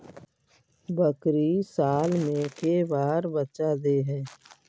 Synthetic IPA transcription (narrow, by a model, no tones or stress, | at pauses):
bəkɾisaːlmẽkebaːɾbət͡ʃad̪eɦɛ̃ː